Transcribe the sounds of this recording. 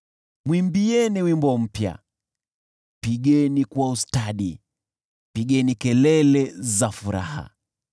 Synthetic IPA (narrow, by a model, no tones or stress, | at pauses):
mwimbiɛniwimbɔm̩pja̰ | piɠɛnikwaustaɗi | piɠɛnikɛlɛlɛzafuɾa̰ha̰